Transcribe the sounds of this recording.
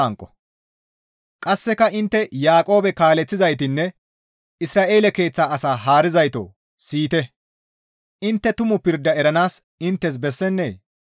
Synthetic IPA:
ɐŋkʼːɔ̥ | kʼɐsːɛkɐʔɪnt̪ːɛjaːkʼo̞ːbɛkaːlɛt͡sːɪzɐjt̪ɪnːɛ | ɪsɾaːʔe̞ːlɛke̞ːt͡sːaːɐsaːɦaːɾɪzɐjt̪o̰ː | siːt̪ɛ | ɪnt̪ːɛt̪ʊmʊpɪɾd̪ːɐɛɾɐnaːs | ɪnt̪ːɛs̬bɛsːɛnːe̞̰ː

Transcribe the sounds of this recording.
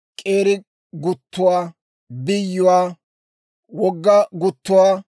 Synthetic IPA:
kʼeːɾɪ | ɡʊt̪ːʊwaː | bɪjːʊwaː | wɔɡːɐɡʊt̪ːʊwaː

